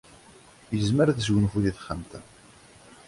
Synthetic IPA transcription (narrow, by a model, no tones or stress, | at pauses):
jəzməɾðəzwənfuðiθχəmt̪æ